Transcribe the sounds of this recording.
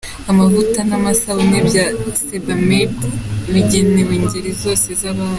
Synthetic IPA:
amavutanamasawonebjasebamedβiɟeneweːɲɟeɾizo̞ːsezaβaː

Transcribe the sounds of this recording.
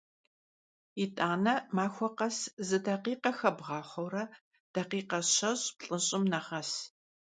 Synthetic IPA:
itʼaːnɐmaːxʷɔqɐszɨdɐqiːqɐxɐbʁɑːχʷɐwrɐ | d̥ɐqiːqɐɕɐɕpɬʼɨɕʼɪmnɐʁɐs

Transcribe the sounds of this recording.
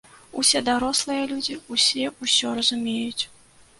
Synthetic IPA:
usʲɛd̪aɾɔslˠɨjɐlʲud͡zʲiusʲɛusʲɔɾɐzumʲejut͡sʲ

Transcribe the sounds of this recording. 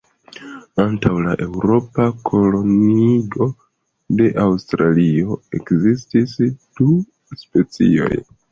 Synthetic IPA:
antawlaʔe̞wɾo̞pakʰo̞lo̞niɡo̞ | de̞ʔawstɾalio̞e̞kzistisd̥u | spe̞t͡sḭo̞̰j

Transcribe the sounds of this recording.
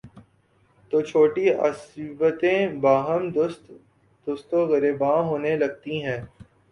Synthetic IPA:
t̪oːt͡ʃʰoːʈiə̰sbət̪ẽbaːɦəmd̪ʊst̪ | d̪ʊst̪oɣəɾeːbãːɦoːnelɐɡ̚t̪iɦɛ̃ː

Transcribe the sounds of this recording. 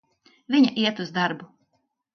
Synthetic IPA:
viɲaʔiɛt̪uzd̪aɾbu

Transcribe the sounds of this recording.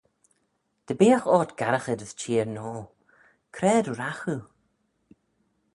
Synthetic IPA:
d̪̥əbiːaxɔːt̪ɡ̥aɾəxədəst͡ʃʰiːəɹnɔː | kʰɾɛːduɾaxu

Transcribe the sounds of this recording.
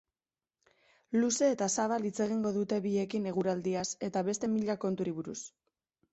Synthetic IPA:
luse̞ːt̪asaβalit͡se̞ɣ̞iŋɡo̞ðut̪e̞βie̞kine̞ɣ̞uɾald̪iase̞t̪aβe̞st̪e̞miʎako̞nt̪uɾiβuɾṵs

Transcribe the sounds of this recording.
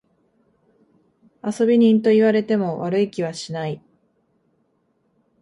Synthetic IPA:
aso̞bʲiɲ̟ĩnt̪o̞iβaɾe̞t̪e̞mo̞βaɾɯ̟ikʲiβ̞aɕinai

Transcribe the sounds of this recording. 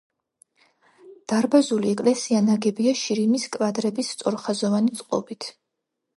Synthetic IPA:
d̪̥aɾbazuliɛkʼlɛsianaɡɛbiaʃiɾimiskʼvad̪ɾɛbist̪sʼɔɾχazɔvanit̪sʼqʼɔ̰bit̪ʰ

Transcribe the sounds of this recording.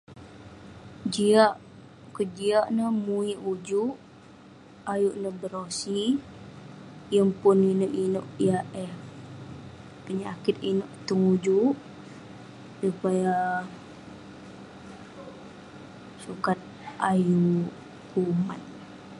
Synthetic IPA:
d͡ʒiaʔ | kəd͡ʒiaʔnəmuiʔud͡ʒuʔ | ajuʔnəbəɾosi | jəmpʊninoʔinoʔjaʔɛh | pəɲakɪt̪̚inoʔt̪uŋud͡ʒuʔ | supaja | sukat̪̚ | aju | kuma̰t̪̚

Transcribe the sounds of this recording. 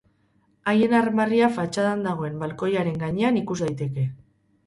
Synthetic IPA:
aje̞narmariafat͡ʃaðand̪aɣ̞oe̞mbalko̞jaɾe̞ŋɡaɲe̞anikuzd̪ajt̪e̞ke̞

